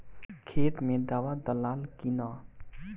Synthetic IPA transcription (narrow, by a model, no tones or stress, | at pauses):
kʰeːt̪mẽd̪aːwad̪əlaːlkina